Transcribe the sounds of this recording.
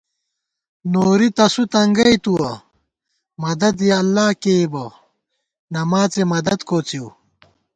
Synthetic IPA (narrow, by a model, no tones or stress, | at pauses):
noːɾit̪ɐsut̪ɐŋɡɐjt̪uwɐ | mɐd̪ɐd̪jɐːlːaːkebɐ | nɐmaːt͡semɐd̪ɐd̪koːt͡siu